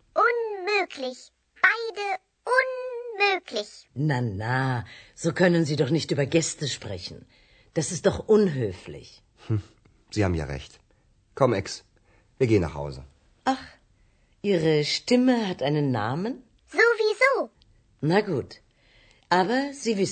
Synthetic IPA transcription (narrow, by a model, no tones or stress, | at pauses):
ʔʊnmøːkʰlɪç | b̥aɪdə | ʔʊnmøːklɪçnanaz̥oːkʰœnənziːdɔχnɪçtyːbɐɡɛstəʃpʁ̥ɛçn̩ | d̥asɪst̚d̥ɔχʔʊnɦøːflɪ̰ç | h̩ | z̥iːha̰ːbm̩ja̰ːʁɛ̰çt | kʰɔmɪks | viːɐɡeːənːa̰χha̰ʊzə̰ | ʔaχ | ʔiːʁəʃtɪməɦatʔaɪnənːa̰ːmən | zoːviːzoː | naɡuːt | ʔaːbɐziːvɪs